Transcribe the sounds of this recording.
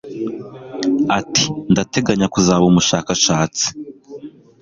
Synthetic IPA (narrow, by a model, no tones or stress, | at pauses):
atindate̞ɡaɲakuzaːβumuʃaːkaʃaːt͡si̥